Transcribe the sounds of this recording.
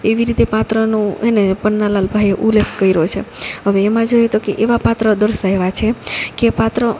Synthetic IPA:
eʋiɾit̪epat̪ɾənõenepənːalalbʱajeʔulekʰkəiɾot͡ʃʰḛɦəʋeːmãd͡ʒojet̪okeʔeʋapat̪ɾəd̪əɾʃəeʋat͡ʃʰekepat̪ɾə

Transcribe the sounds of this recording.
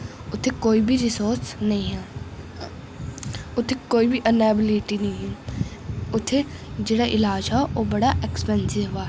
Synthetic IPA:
ʊt̪ʰekoːibʱiɾɪsoːɾsnɐɦĩɦɛ | ʊt̪ʰekoːibʱiʔənɛːbɪliʈinɐɦĩɦɛ | ʊt̪ʰed͡ʒeːɽaʔɪlaːd͡ʒɦɛoːbɐɽaʔekspɛ̃nsɪɦʊʋaːɦ

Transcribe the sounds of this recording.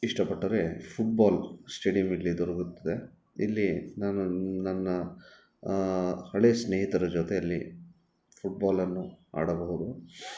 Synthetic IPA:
iʂʈɐpɐʈːɐɾe̞pʰuʈ̚baːlsʈe̞ːɖijɐmilːid̪ɔɾɐɡut̪ːɐd̪e̞ | ḭlːinaːnunɐnːɐ | hɐɭesneːɦit̪ɐɾɐd͡ʒot̪e̞ɐlːḭ | pʰuʈ̚baːlɐnːua̰ːɽɐbɐɦud̪u

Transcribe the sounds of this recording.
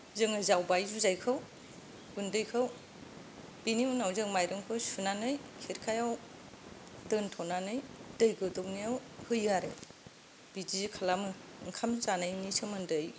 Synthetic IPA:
zɯŋɯzawbajzuzajkʰɯw | ɡ̥undɯjkʰaw | b̥iniunawzɯŋmajɾɯŋkʰɯsunanɯjkʰeɾkʰajaw | dɯntʰɔnanɯjdɯjɡɯdɯwniawhɯjaɾɯ | b̥id͡ʒizikʰalamɯŋkʰamzanajnisʰɯmɯndɯj

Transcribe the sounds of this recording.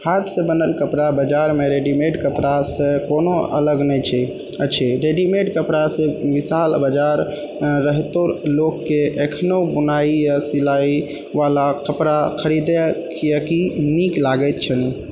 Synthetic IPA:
hat̪ʰsə̃bənəlkəpɾabəd͡ʒaɾmeɾeɖimeʈkəpɾasẽkonoə̰ləɡnɛt͡ʃʰɛ | ət͡ʃʰɛɾeɖimeʈkəpɾasẽʋisalbəd͡ʒaɾ | ɾːəɦt̪oɾlokːeʔekʰnobunaijasilai | ʋalakəpɾakʰəɾid̪ɛkijəkiniklaɡət̪̚t͡ʃʰəni

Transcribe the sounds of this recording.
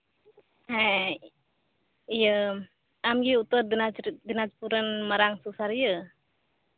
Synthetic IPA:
ha | ijə | amɡiut̪ədnad̪ənat͡ʃpuɾənməɾaŋsusaɾjə

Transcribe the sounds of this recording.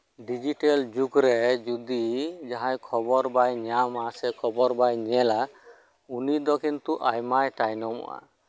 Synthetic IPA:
ɖid͡ʒiʈɛld͡ʒuɡɾɛd͡ʒud̪id͡ʒaɦãjkʰɔbɔɾbajɲamasɛkʰɔbɔɾbajɲɛla | unid̪ɔkint̪uʔajmajʈajnɔmɔ̰ʔa̰

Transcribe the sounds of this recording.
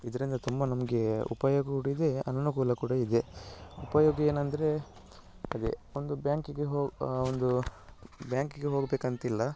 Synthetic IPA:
id̪ɐɾind̪ɐt̪umbɐnɐmɐɡe̞ṵpɐjoːɡɐkuɽɐid̪e̞ɐ̰nɐnukuːlɐkuːɽɐid̪e̞upɐjoːɡɐeːnɐnd̪ɐɾe̞ | ɐd̪ḛond̪ubjaːŋkiɡeɦoːond̪u | bjaːŋkiɡeɦo̞ːɡbeːkɐnt̪ilːɐ

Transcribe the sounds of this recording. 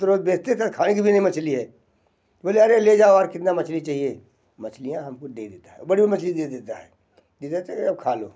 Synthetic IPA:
t̪ɾoːd͡ʒbeːst̪et̪ɐkʰaːnek̬ibʱinɐɦĩmɐt͡ʃliɦɛː | t̪boːleɐɾeled͡ʒaːoɔːɾkɪt̪namɐt͡ʃlit͡ʃaːɦie | mɐt͡ʃlijãɦɐmkʊd̪ḛd̪eːt̪aɦɛ̰bɐɽibʱimɐt͡ʃlid̪eːd̪eːt̪aɦɛ̰ː | d̪et̪at͡ʃːkɐb̚kʰaːlo̰ː

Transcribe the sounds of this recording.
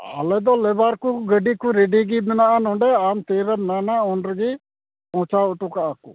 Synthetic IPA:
a̰lɛd̪ɔːlɛbaːɾkuɡəɖiːkuɾeɖiɡibənaanɔ̃ːɳɖɛaːmt̪eːɾəmnaːnaɔ̃ːɳɖɾɡi | ɔ̃ːt͡ʃaʊʈukaakṵ

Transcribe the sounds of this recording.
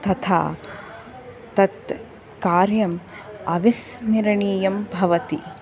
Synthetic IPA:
t̪ɐt̪ʰa̰ː | t̪ɐt̪ | kaːɾjɐm | ɐʋis | niɾɳiːjɐmbʱɐʋɐt̪i

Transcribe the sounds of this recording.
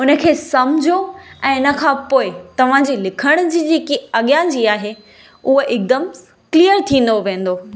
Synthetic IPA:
ʊnə̆kʰeːsɐmd͡ʑʱoɛ̃ːɪnə̆kʰãːpoːɪt̪ɐʋ̤ãd͡ʑiːlɪkʰəɽ̃ʊd͡ʑiːd͡ʑeːkiɐɠjãd͡ʑiːaːɦe | ʊɦoʔɪk̚d̪əm | kliːjəɾt̪ʰĩːn̆d̪oʋẽːn̆d̪oː

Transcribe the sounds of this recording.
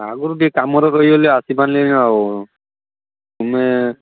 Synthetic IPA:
a̰ɡuɾɡikamɔɾɔɾojɔlɛasibanlena | tumɛ

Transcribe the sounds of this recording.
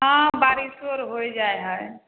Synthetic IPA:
ɦãbaːɾisoɾɦojd͡ʒaːeɦae

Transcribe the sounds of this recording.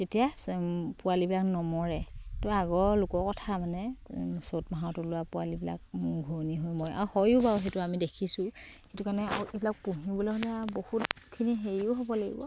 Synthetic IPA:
tetijapʊalibilaknɔmɔɹɛtɔaɡɔɹlʊkɔkɔtʰamanɛsotmaɦatʊlʊwapʊalibila̰k̚mʊɡʱoniɦojmɔja̰ɹuhɔjʊbaɦetʊamidekʰisʊxetukaɹnɛa̰uʔebilak̚puɦibɔloɦɔlɛabohutkʰiniɦeɹiʊɦobɔlaɡḭbɔ

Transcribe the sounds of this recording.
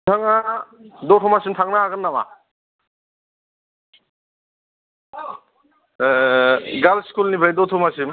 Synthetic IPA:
aŋadɔtʰɔmasimtʰaŋnaːɡanːama̰ | ɡalskulnibʱajdɔtʰɔmasim

